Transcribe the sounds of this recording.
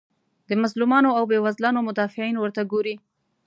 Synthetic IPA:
d̪əmazlumɑnoawbewazlɑnomʊd̪ɑfɪʕinwəɾt̪aɡoɾi

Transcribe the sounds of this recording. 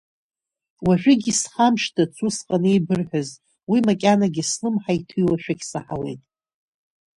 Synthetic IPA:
waʒʷᶣɪɡʲisχamʃtʰat͡sʰusqʼanejbɨrħaz | wimakʲʼanaɡʲislɨmħaitʰulaʃᶣaɡʲsaħawe̞̰jtʼ

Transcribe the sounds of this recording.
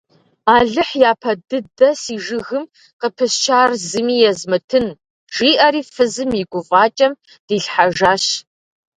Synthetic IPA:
aːɮɨħjaːpʰɐdɨdɐsiːʒɨɣɨm | qəpʰɨst͡ʃʰaːrzɨmiːjɛzmɨtʰɨn | ʒ̥iːʔɐɾiːfɨzɨmiɡʷʊvʼɑːt͡ʃʼɐm | d̥iːɬħaʒaːɕ

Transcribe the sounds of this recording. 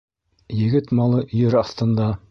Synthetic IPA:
jɘ̆ɡɘt̪mɑlˠɤʔ̆jɘɾɑst̪ɤ̆nd̪ɑ

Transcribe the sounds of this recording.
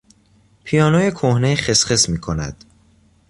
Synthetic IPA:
pʰijɒːnoːjekʰohneχesχesmiːkʰo̞næ̰d̪̥

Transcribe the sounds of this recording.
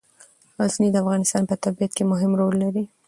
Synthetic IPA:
ɑznid̪əafɣɑnɪst̪ɑnpət̪abijat̪̚kemʊɦɪmɾolːaɾi

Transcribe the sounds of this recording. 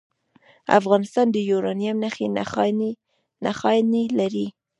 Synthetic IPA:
a̰fɣɑnɪst̪ɑnd̪əjuɾɑnjamnaxen | naxɑjnilaɾi

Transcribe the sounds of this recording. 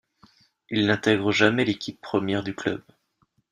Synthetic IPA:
ilnɛ̃t̪ɛɡʁəʒamɛlekʲipːχəmjɛʁd̪yklœ̰b

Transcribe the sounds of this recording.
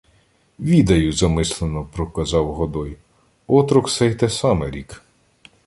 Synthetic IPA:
ʋʲid̪ɐjʊzɐmɪslˠenɔpɾɔkɐzɑwɦɔd̪ɔj | ɔt̪ɾʊksɛjt̪ɛsɑmɛɾʲik

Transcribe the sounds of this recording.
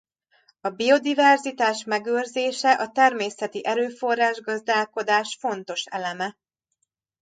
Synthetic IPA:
ɒbio̞d̪ivɛrzit̪aːʃmɛɡøːrzeːʃɛʔɒt̪ɛrmeːsɛt̪iʔɛɾøːfo̞rːaːʒɡɒzd̪aːlko̞d̪aːʃfo̞nt̪o̞ʃɛlɛmɛ

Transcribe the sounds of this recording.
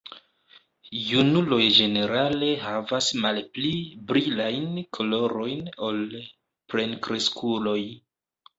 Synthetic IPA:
junulo̞jd͡ʒe̞ne̞ɾale̞ɦavasmalplibɾilajnkʰolo̞ɾo̞jno̞l | pɾe̞nkɾe̞skʰulo̞j

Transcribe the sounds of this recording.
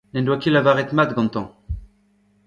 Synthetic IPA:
nɛnd̪wakilavaʁɛt̪mat̪ɡɑ̃nt̪ɑ̃

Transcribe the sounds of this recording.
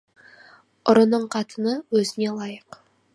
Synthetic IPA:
ʊɾənəɴqʰɑt̪ənəwɵzɪne̞lˠɑjəq

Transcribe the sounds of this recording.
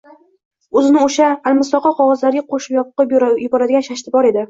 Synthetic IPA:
ɵzɪnɪoʃaːlmɪslɒqʰɒqʰɒʁɒzlaɾɪɡʲaqʰoʃɪpjɒpqːjʊbɒɾad̪ɪɡʲanʃaʃt̪ʰɪbɒɾe̞d̪ɪ

